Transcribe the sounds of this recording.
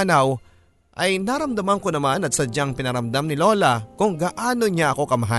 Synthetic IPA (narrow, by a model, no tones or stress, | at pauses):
nɐw | ʔɐjnaɾɐmd̪ɐmɐŋko̞nɐmanɐt̪sɐd͡ʒaŋpɪnɐɾɐmd̪amnɪlo̞ːlɐkʊŋɡaʔaːno̞ɲaʔɐko̞kɐmɐɦa